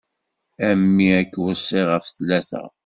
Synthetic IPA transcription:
æmːiækːwəsˤːɪʁəfθlæθæ̰

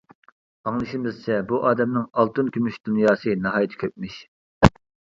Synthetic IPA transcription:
ɑŋlˠɨʃimɪzt͡ʃʰɛbuʔɑːd̪ɛmnɪŋɑlˠt̪ɨnkʲʰymyʃd̪̥unjɑːsɨnɑɦɑːjt̪ʰɪ̥kʲʰøp̚mɪʃ

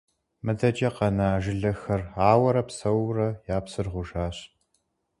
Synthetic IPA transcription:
mɨdɐd͡ʒɐqɐnaːʒɪɮɐxɐraːwɐɾɐpsɐwrɐjaːpsɨrʁʷʊʒaːɕ

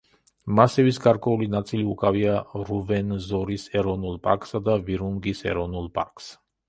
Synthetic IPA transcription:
masɛvisɡaɾkʼwɛulinat̪sʼiliukʼaviaɾuvɛnzɔɾisɛɾɔnulˠpʼa̰ɾkʼsad̪aviɾuŋɡisɛ̰ɾɔnulˠpʼa̰ɾkʼs

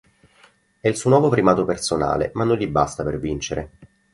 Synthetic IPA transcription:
ɛilsuːnwɔːvopɾimaːt̪opersona̰ːlḛmanːonʎibast̪apervint͡ʃeɾʔḛ

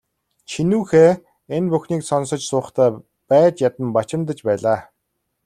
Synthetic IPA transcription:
t͡ɕʰinuːxeː | enpuxniːksɔnsə̆t͡ɕsʊːχt̪ʰæː | pæːt͡ɕjat̪ə̆mpat͡ɕɪ̆mt̪̬ə̆t͡ɕpæːɮaː

